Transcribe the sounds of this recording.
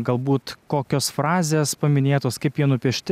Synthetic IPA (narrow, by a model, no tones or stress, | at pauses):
ɡɐlˠbuːt̪koːkʲoːsfɾɑːzʲeːspɐmʲɪnʲeːt̪oːskɐɪpjiɛnʊpʲiɛʃʲt̪ʲɪ